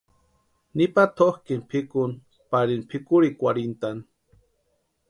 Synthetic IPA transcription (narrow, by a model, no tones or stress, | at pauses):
nipat̪ʰohkinpʰikun | paɾinpʰikuɾikʷaɾint̪an